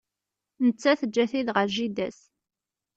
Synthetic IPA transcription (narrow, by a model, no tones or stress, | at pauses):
nət͡sːæθəd͡ʒːæθiðʁəɾʒid̪æs